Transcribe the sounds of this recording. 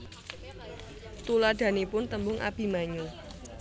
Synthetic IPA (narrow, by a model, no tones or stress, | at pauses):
t̪ulad̪̥ä̤nipʊnt̪əmbʊŋʔa̰b̥i̤maɲu